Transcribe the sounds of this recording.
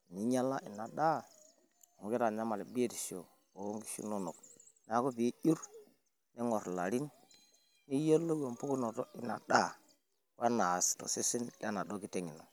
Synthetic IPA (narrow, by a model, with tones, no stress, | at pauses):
ni˦ɲa˦la˦ʔi˨na˨da˦˨ | m˨ɡi˦ɾa˨ɲa˦ma˨le˨bi˦e˦ti˨ʃo˨ | o˨˦ŋɡi˦ʃṵ˦no˦nu˨k̚ | n˨a˨˦ko˦bi˨˦ju˦ɾ | ni˦ŋɔ˨ɾla˨ɾi˦n | ni˦jo˦lːo˦ɡo˨m˨pu˦ku˦no˨ɾo˦i˨na˨da˦˨ | wa˦na˨sto̰˨se˦si˦nla˦na˨do˦ki˦te˦ŋi˨no̰˨